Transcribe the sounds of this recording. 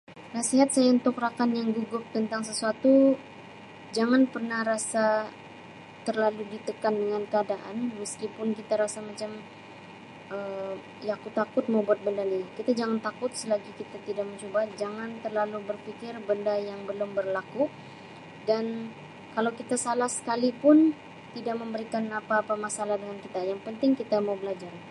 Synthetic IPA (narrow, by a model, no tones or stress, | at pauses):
nasiɦat̪̚sajaunt̪ʊkrakanjaŋɡuɡʊp̚t̪ənt̪aŋs̬əsuat̪u | d͡ʒaŋanpərnahɾasa | t̪ərlaludit̪əkandəŋankəadaʔanməskipʊnkit̪aɾasamat͡ʃam | ʔə | jakut̪akʊt̪̚mawbuat̪̚bəndanikit̪ad͡ʒaŋant̪akʊt̪̚səlaɡikit̪at̪idak̚məɲt͡ʃobad͡ʒaŋant̪ərlalubərfikɪrbəndajaŋbəlʊmbərlaku | dan | kalawkit̪asalahsə̥kalipʊn | t̪idak̚məmbəɾikanapaːpamasalahdəŋankit̪ajaŋpənt̪ɪŋkit̪amawbəlad͡ʒar